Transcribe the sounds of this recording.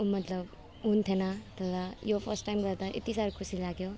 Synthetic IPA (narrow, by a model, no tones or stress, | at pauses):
mʌt̪lʌb | ɦunt̪ʰenʌʌt̪ʌɾajopʰʌsʈːajmɡʌɾt̪ʌʔḛt̪isaɾkʰusilaɡjo